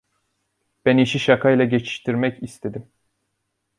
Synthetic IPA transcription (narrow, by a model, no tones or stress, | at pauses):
b̥æniʃiʃakʰajlˠaɟet͡ʃʰi̥ʃt̪ʰiɾmɛcist̪ʰed̪im